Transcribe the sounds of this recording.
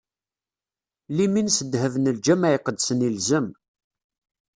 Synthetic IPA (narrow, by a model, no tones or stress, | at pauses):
liminsəd̪həvənəld͡ʒæmæʕiqəd̪sənilzəm